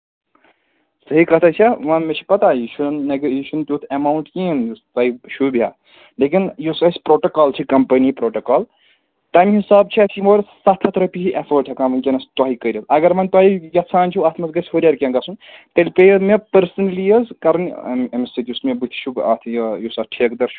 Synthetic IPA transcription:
səɦikɐt̪ʰat͡ʃʰaʋɐnmet͡ʃʰi̥pɐt̪ajuʃunːeɡjiʃunp̪ʲut̪ʰemaːwɳʈkinjust̪aːiʃʰubʱja̰ː | leːkinjusɐsʲpɾoːʈɐkaːlt͡ʃʰikɐmpɐnipɾoːʈɐkaːl | t̪ɐmɦisaːbt͡ʃʰiɐsʰimoːɾsɐt̪ʰɐt̪ʰɾɐpit͡ʃiʔefəːɾʈʰɐkaːmɐnkʲɐnɐst̪waːɦikəɾʲɐzɐɡɐɾmɐnt̪waːɦijɐt͡sʰaːnʲt͡ʃʰuaːt̪ʰmɐsɡɐsʲɦoɾʲaɾʲkʲɐnɡɐsunt̪ɐlʲpejmepɐɾsɐnlijəzkɐɾɐn̰mɐmsit̪ʲiusmebɨt̪ʰt͡ʃʰuba̰ːt̪ʰjjosɐʈʰeːkd̪ɐɾt͡ʃʰu̥

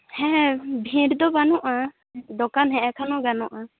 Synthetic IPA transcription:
hɛ̃bʱĩɾd̪ɔbanɔʔa | d̪ɔkanɦɛ̃ʔɛkʰanɔɡanɔʔa

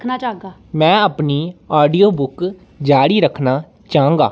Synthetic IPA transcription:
kʰnaːt͡ʃaːɡaːmɛ̃ːəpniːaːɖiːoːbʊk | d͡ʒaːɽiːɾəkʰnaː | t͡ʃaːŋɡaː

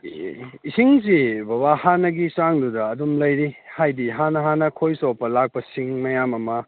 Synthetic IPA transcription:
isiŋs̬ibɐβahanɐɡisaŋdudɐːdumlɐjɾihajdiɦanɐɦanɐkʰojsɔpːɐlak̚pɐsiŋmɐjamɐmɐ

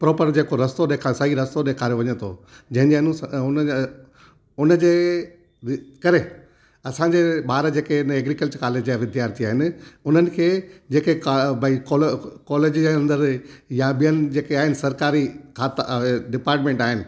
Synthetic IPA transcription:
pɾɔːpəɾd͡ʑeːkoɾɐst̪oɗeːkʰasɐɦiɾɐst̪oɗeːkʰaːɾeʋɐɲət̪ʰo̰ | d͡ʑɐ̃ɦɪ̃ɲd͡ʑeɐnũsʊn | ʊnəd͡ʑeː | kɐɾe | ɐsãɲd͡ʑeɓaːɾd͡ʑeːkeɪneːɡɾikəlt͡ɕkaːleːd͡ʑjaʋɪd̪ʱjaːɾt̪iaːɦɪnɪ̆ʊn̤ənɪ̆kʰeːd͡ʑeːkebʱɐikːlkɔːleːd͡ʑd͡ʑeɐ̃nd̪əɾjãɓijənɪ̆d͡ʑeːkeaːɦɪnɪsɐɾkaːɾikʰaːt̪ɖɪpaːɾʈmẽːɳʈaːɦɪnɪ̆

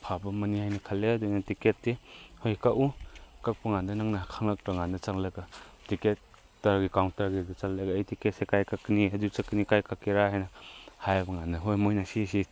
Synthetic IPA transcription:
pʰabɐmɐnihajnɐkʰalːeɐdujnɐtiket̚dehojkaʔukak̚pɐŋandɐnaŋnakʰaŋlak̚ɾɐŋanɐt͡ʃaŋlaɡɐtiket̚ | tɐɾɡikawntɐɾɡidɐt͡ʃallaɡaːjtiket̚sekajkakːniɦɐdut͡ʃaknikajkakːiɾaɦajnɐhajbɐŋandɐɦojmojnasisi

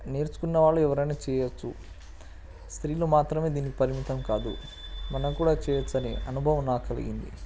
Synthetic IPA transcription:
neːɾsu̥kunːɐʋaːɭːuɛʋɐɾɐjnaːt͡ʃɛːjɐt͡ʃːu | st̪ɾiːloːmaːt̪ɾɐme̞ːd̪iːnikipɐɾimit̪ɐmkaːd̪ṵ | mɐnɐmkuːɽaːt͡ʃɛːjɐt͡ʃːɐnḛʔɐnubʱɐʋɐmaːkɐlḭɡḭnd̪ḭ

